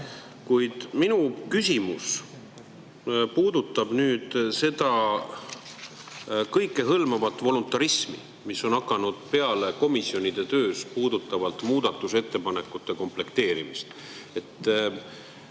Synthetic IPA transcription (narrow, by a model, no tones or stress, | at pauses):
kujd̪̥minukysʲimus | puːd̪ut̪ːˑɑb̥nyːd̪̥se̞d̪̥ɑ | kɤjkːˑe̞ɦɤlmɑvɑt̪ːˑvo̞lunt̪ːˑɑɾismḭ | misːo̞nɑkːˑɑnud̪̥̚pe̞ɑle̞ko̞misio̞nid̪̥e̞t̪ø̞ːspuːd̪ut̪ːˑɑvɑlt̪ˑmuːd̪̥ɑt̪ːˑuse̞t̪ːe̞pɑne̞kːˑut̪ːˑe̞ko̞mple̞kt̪e̞ːɾimist̪ | e̞t̪ː